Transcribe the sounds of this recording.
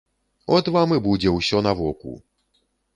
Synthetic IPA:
ɔt̪vamɨbud͡zʲɛwsʲɔnavɔkṵ

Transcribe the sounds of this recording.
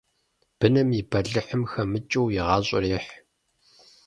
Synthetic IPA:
b̥ɨnɐmibɐɮɨħəmxɐmɨt͡ʃʼɨwjɪʁɑːɕʼɔ̰riːħ

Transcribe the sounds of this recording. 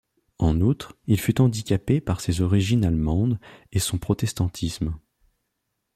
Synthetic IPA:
ɑ̃nut̪χilfyt̪ɑ̃d̪ikʲapepaʁsezɔʁiʒinalmɑ̃d̪esɔ̃pχɔt̪ɛst̪ɑ̃t̪ʰism

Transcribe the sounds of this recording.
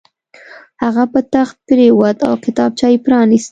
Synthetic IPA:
haɣapət̪axt̪̚pɾewad̪a̰wkɪt̪ɑb̚t͡ʃɑjpɾɑnist̪

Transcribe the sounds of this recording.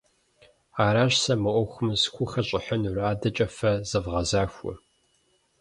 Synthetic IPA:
aːɾaːɕsɐmɨʔʷɔxʷʊmskʷʊxɐɕʼɪħənuraːdɐt͡ʃʼɐfɐz̥ɐvʁɐzaːxʷʊ̰

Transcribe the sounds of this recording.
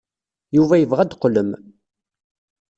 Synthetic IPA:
juvæjəvʁæd̪qːləm

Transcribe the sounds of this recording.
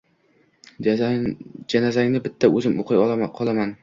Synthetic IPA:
d͡ʒanazaŋnɪbɪt̪ʰːaɵzɪmoqʰɨjqʰɒlˠaman

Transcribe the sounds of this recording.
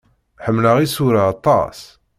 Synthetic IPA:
ħəmːləʁisuɾaɑt̪ˤːɑ̰s

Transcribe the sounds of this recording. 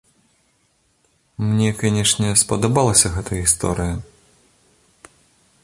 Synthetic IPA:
mnʲɛkanʲɛʂnʲɛspɐd̪ɐbalˠɐsʲɐɣɛt̪ɐjɣʲist̪ɔ̰ɾɨjɐ

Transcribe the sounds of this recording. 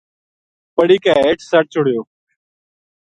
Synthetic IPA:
pəɽiːkaːeːʈʰsəʈ̚t͡ʃʰʊɽ̤ɪjoː

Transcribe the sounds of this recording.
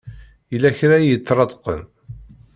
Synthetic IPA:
ilæçɾajət͡sːɾˤɑt̪qə̰n

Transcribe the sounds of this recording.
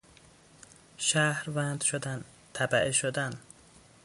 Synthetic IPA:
ʃæhɾvænd̪ʃod̪æn | t̪ʰæbæʔeʃod̪æn

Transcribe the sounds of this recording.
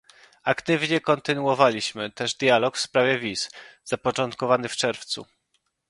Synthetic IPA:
akt̪ɘvɲɛkɔnt̪ɘnuɔvalʲiɕmɘt̪ɛʐd̪ʲjalɔkfspɾavʲjɛvʲisz̥apɔt͡ʂɔnt̪kɔvanɘft͡ʂɛɾft̪sṵ

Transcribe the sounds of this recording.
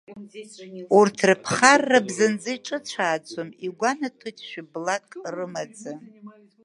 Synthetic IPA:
urtʰrɨpʰχarːabzand͡zɨjʈ͡ʂʼɨt͡ɕʷʰaːt͡sʷʰʼomiɡʷanatʰojtʼʃᶣɪblakʼrɨmad͡zʼa

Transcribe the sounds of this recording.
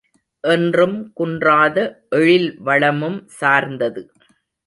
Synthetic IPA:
ʔɛndrɯmkʊndraːðɐʔɛɻɪlʋɐɭɐmɯmsaːɾnd̪ɐðɯ

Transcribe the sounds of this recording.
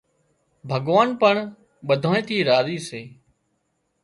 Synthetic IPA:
bʱəɠʋaːnpəɳ | ɓəd̪ʱoːẽːt̪ʰiːɾaːziːseː

